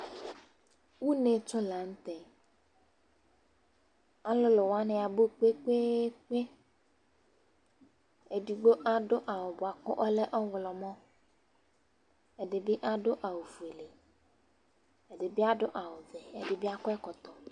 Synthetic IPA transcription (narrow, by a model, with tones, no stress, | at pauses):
wu˦ne˨t͡ʃʊ˦la˨ŋ̩˦t̪ɛ˨ | a˨lʊ˦lʊ˨wa˦nɪ˨a˨bʊ˦k͡pe˦k͡pe˦k͡pe˦ | e˨di˨ɡ͡bo˦ʔa˦ɖʊ˦ʔa˨wʊ˨bʊ˨a˨kʊ˦ʔɔ˦lɛ˦ʔɔ˦wlɔ˨mɔ̃˦ | ɛ˨dɪ˨bɪ˦ʔa˨ɖʊ˦ʔa˨wo˨vu˨e˨le˨ | ɛ˨ɖɪ˨bɪ˦a˦ɖʊ˦ʔa˨wʊ˨ðɛ˨ɛ˨dɪ˨bɪ˦a˦kʊ˦ɛ˦kɔ˨t̪ɔ˨